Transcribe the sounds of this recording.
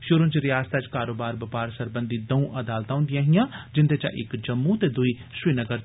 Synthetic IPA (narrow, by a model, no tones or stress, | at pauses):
ʃʊɾʊ̃nt͡ʃɾɪjaːst̪aːt͡ʃkaːɾoːbaːɾbəpaːɾsəɾbənd̪iːd̪əũːʔəd̪aːlt̪ãːʊ̃nd̪ijãːɦɪjãːd͡ʒɪnd̪eːt͡ʃã̰ʔɪ̰kd͡ʒəmːũːt̪eːd̪ʊiː | siːnəɡəɾ